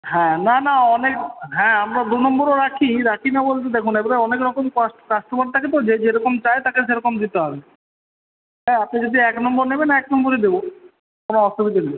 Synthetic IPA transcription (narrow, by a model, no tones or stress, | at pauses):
ɦɛ̃nanaɔnekɦɛ̃amɾad̪unɔmboɾoɾakʰiɾakʰinabolt̪̬ed̪ekʰunebaɾeɔnekɾɔkomkaʈkaʃʈobaɖ̚t̪ʰaket̪od͡ʑed͡ʑeɾɔkomt͡ɕajt̪akeʃeɾɔkomd̪it̪eɦɔbe | ɦɛ̃apnid͡ʑod̪iɛknɔmboɾnebenaɛknɔmboɾed̪ebo | konoɔʃobid̪ani